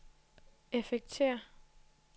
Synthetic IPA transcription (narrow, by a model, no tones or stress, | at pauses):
efeɡ̥̚t͡sʰḛɐ